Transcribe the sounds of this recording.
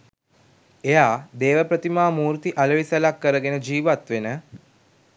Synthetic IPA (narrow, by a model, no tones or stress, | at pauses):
ejaːd̪eːʋəpɾət̪imaːmuːɾt̪iʔaləʋisəlakːəɾəɡenəd͡ʒiːʋat̪ʋenə